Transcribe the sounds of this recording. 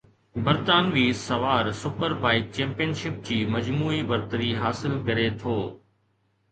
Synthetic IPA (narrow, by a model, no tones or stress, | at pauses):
bɐɾt̪aːnʋiːsɐʋaːɾsʊpəɾbaːɪt̚t͡ɕɛ̃ːmpijənʃɪp̚d͡ʑiːmɐd͡ʑmuːibɐɾt̪əɾiɦaːsɪlkɐɾet̪ʰoː